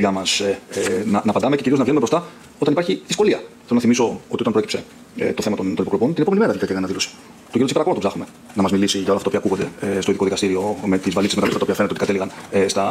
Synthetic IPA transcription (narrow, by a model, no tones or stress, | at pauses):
ʝɐmɐsnɐnɐːpɐnd̪ɐmececiɾioznɐvʝeumebɾst̪ɐ | o̞t̪ɐnipɐɾçiðisko̞liɐθelonɐθimiso̞o̞t̪iot̪ɐmpocpse̞ | ḛt̪oθemɐt̪ont̪o̞nipokɾpo̞nt̪ineoenimeɾɐeliɐteɐnɐðilo̞si̥ | t̪oinsipeɾɐponɐt̪vzɐxume̞ | nɐmɐzmilisiʝɐolɐft̪t̪ɐːpiɐkuɣod̪e̞st̪oiðio̞ðikɐst̪iɾio̞me̞t̪izvɐlitsezmeɐmesɐt̪ɐoiɐfenet̪eotikɐt̪eliɣɐnest̪ɐ